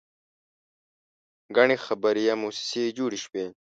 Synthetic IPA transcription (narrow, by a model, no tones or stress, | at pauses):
ɡɐɳixɐbɐɾijamuːsi̥seːd͡ʑuːɽiɕweː